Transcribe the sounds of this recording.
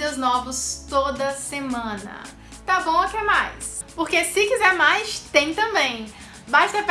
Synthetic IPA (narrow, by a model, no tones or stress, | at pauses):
ɐznɔvʊst̪od̪ɐsemɐ̃nɐ̰ | t̪abõw̃ɐkɛmajs | poɾkesɪkizɛɾmajst̪ẽj̃t̪ɐ̃bẽj̃ | baʃt̪ɐp